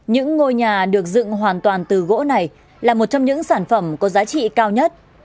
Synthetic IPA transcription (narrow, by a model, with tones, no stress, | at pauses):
ɲɨ̰˧˥ŋːo˧jɲaː˨˩ɗɨ˨˩ək̚zɨ̰˧˨ŋɦwaː˨˩nt̪waː˨˩nt̪ɨ˨˩ɣo̰˧˥na˨˩j | laː˨˩mo˨˩t̚t͡ɕɔ˧ŋ͡mɲɨ̰˧˥ŋsaː˧˩nfə˧˩mkɔ˨˦zaː˨˦t͡ɕḭ˧˨kaː˧wɲə˦˥t̚